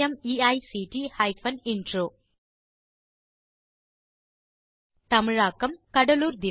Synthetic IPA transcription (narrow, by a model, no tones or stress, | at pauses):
ɐmiajsiʈihajpʰɐninʈɾu | t̪ɐmɾakɐmkɐɖɐluɾd̪i